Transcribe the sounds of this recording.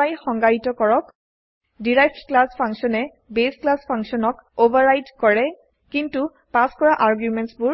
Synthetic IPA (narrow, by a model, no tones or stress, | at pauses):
ajxɔŋɡaɹitɔkɔɹɔk | diɹajbtklaspʰaŋsɔnɛ | besklaspʰãŋsɔnɔkobaɹajdkɔɹɛ | kintu | paskɔɹaʔaɹɡjumɛntsbʊ